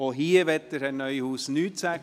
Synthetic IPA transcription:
oɦiːəʋɛt̪ːəɾɛnœʏhuːsnyːt̪sæ

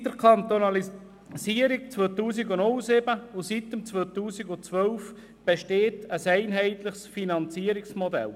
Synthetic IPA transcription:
d̥̪əɾkʰɑnt̪onɑli | siəɾikt͡svøːt̪uːsiɡʊnʊlsɪbəʊsit̪əmt͡svoːt̪uːsiɡʊt͡sʋœlf | b̥eʃteːtəsæɪnɦɛɪtləχsfinɑnt͡siːəɾɪksmodɛ̰l

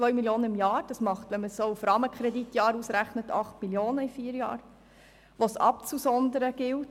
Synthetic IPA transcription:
t͡sʋœʏmiljoːnəimjɑːɾd̥ɑsmɑχtʋɛnməssoːufɾɑːməkʰχɾɛditjɑːɾusɾæχnətɑχtmiljoːnəifiːɾjɑ̰ːɾ | ʋosɑ̰p̚t͡susɔnd̪əɾəɡ̥ɪlt

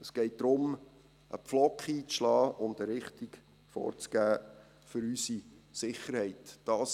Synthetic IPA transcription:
əsɡ̥ɛɪt̚d̥̪ɾʊm | ʔə̰pflɔkχiːt͡sʃlɑːʊndəɾɪχtik | fɔ̰ːɾt͡sɡ̥æː | fʏɾysisɪχːəɾhɛɪtd̥ɑːs

